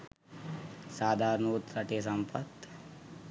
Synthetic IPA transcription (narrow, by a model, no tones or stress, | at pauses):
saːd̪ʱaːɾnuːt̪ɾɐʈes̬ɐmpʰɐt̪